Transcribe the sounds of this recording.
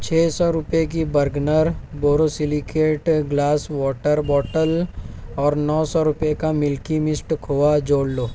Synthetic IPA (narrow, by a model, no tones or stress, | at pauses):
t͡ʃʰɛːsɔɾʊpek̬ibɐɾɡnəɾboːɾosɪlikeːʈɡlaːswɔːʈəɾbɔːʈəlɔːɾnɔːsɔɾʊpekamɪlkimɪsʈkʰoːad͡ʒoːɽloː